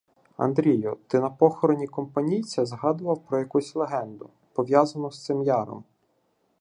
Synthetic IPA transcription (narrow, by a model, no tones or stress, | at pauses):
ɐ̰nd̪ɾʲijʊt̪ɪnɐpɔxɔɾɔnʲikɔmpɐnʲijt͡sʲɐzɦɑd̪ʊʋɐwpɾɔjɐkusʲlˠeɦɛnd̪ʊ | pɔʋʲjɑzɐnɔst̪sɪmjɑɾɔ̰m